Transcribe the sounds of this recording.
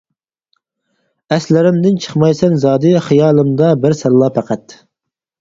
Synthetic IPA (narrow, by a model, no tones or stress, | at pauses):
ɛslɪɾɪmd̪ɪnt͡ʃʰə̥χmɑjsɛnzɑːd̪ɨχijɑːlˠɨmd̪ɑbɪɾsɛlːɑpʰæqæt̪